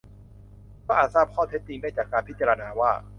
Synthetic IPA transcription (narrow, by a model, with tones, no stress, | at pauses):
kʰɔː˥˩ʔaː˨˩t̪̚saː˥˩p̚kʰɔː˥˩t̪ʰe˦˥t̪ːi˧ŋdaː˥˩jt͡ɕaː˨˩kːaː˧npʰi˦˥t̪̚t͡ɕaː˧ɾa˧naː˧waː˥˩